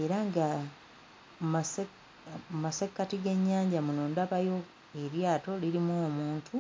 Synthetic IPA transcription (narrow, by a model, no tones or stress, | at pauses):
e̞ɾaŋɡa | mas | masekːatiɡe̞ɲːaːɲɟamunondapajo̞ | e̞ɾjaːto̞liɾimoːmuːntʰu